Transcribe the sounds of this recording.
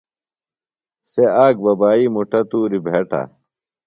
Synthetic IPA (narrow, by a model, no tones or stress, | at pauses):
seaːk̚bɐbaːimuʈɐt̪uːɾibʱeʈa̰